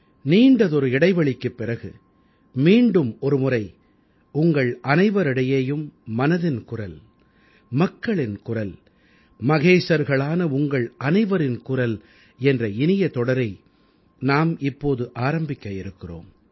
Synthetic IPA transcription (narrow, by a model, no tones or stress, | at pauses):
niːɳɖɐðɔɾɯɪɽɐɪʋɐɭɪkːɯpːɪrɐɣɯ | miːɳɖɯmɔɾɯmʊrɐɪ | ʊŋɡɐɭʔɐnɐɪʋɐɾɪɽɐjeːjɯmːɐnɐðɪnkʊrɐl | mɐkːɐɭɪnkʊrɐl | mɐɣeːʂɐɾɣɐɭaːnɐʊŋɡɐɭɐnɐɪʋɐɾɪnkʊrɐl | ɛndrɐɪnɪjɐt̪ɔɽɐɾɐɪ | naːmɪpːoːðɯʔaːɾɐmbɪkːɐɪɾɯkːɪro̰ːm